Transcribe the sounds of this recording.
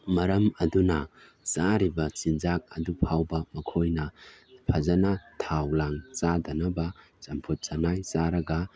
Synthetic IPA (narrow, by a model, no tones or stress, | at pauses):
mɐɾɐmɐdunɐ | saɾibɐt͡ʃind͡ʒak̚ɐ̰dupʰawbɐmɐkʰojnɐpʰɐzɐnatʰawlaŋt͡ʃadɐnɐbɐ | t͡ʃɐmpʰut̚t͡ʃɐnajsaɾɐɡɐ